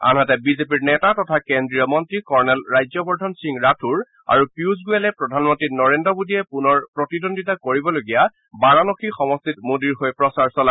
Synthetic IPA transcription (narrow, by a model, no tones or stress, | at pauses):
a̰nɦatɛbizepiɹnɛtatɔtʰakendɹijɔmɔntɹikɔɹnɛlɹajzɔbɔɹdʱɔnsiŋɹatʰuɹ | a̰ɹupiuzɡuɛlɛpɹɔdʱanmɔntɹinɔɹendɹɔbodiɛpunɔɹpɹɔtidondʱitakoɹibɔloɡija | baɹɔnɔkʰixɔmɔstitmodiɹɦojpɹɔsaɹsɔla